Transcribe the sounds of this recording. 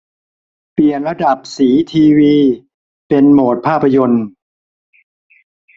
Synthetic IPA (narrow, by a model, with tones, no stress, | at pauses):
pli˨˩ənɾa˧da˨˩p̚siː˩˦t̪ʰiː˧wiː˧ | pe˧nmoː˨˩t̪̚pʰaː˥˩pʰːa˧jo˧n